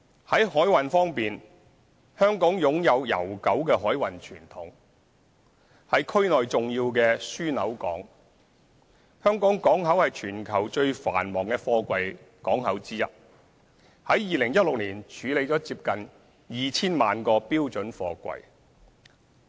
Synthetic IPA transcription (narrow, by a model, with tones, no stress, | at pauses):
hɐ˨˥jhɔː˨˥jwɐ˨nfɔː˥ŋpiː˨n | hœː˥ŋkɔː˨˥ŋjʊ˨˥ŋjɐ˨˧wjɐ̰˨˩wkɐ˨˥wkɛː˧ɦɔː˨˥jwɐ˨˩nt͡ʃʰyː˨˩nt̪ʰʊ˨˥ŋ | hɐ˨jkʰɵ˥ɥnɔː˨jt͡sʊ˨ŋjiː˧wkɛː˧syː˥nɐ̰˨˥wkɔ̰ː˨˥ŋ | hœː˥ŋkɔː˨˥ŋkɔː˨˥ŋɦɐ˨˥whɐ˨jt͡ʃʰyː˨˩nkʰɐ˨˩wt͡ʃɵ˧ɥfa̰ː˨˩nmɔː˨˩ŋkɛː˧fɔː˧kʷɐ˨˧j | kɔː˨˥ŋɦɐ˨˥wt͡siː˥jɐ˥t̚ | hɐ˨˥jjiː˨lɪ˨˩ŋjɐ˥t̚lʊ˨k̚liː˨˩nt͡ʃʰyː˨˧le˨˧jt͡ʃɔː˨˥t͡siː˧p̚kɐ˨n | jiː˨t͡sʰiː˥nmaː˨nkɔː˧piː˥wt͡ʃɵ˨˥nfɔ̰ː˧kʷɐ̰˨j